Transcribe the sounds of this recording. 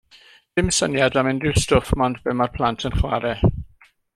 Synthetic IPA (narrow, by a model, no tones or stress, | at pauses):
d̥ɪmɪsənjadamɪndrɪstʊfmɔndb̥ɪmarpʰlˠantʰənχwaɾɛ